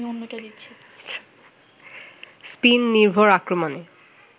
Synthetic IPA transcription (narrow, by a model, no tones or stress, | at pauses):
ionːoʈd̪iɕʰi | spinːiɾbʱoɾakɾomone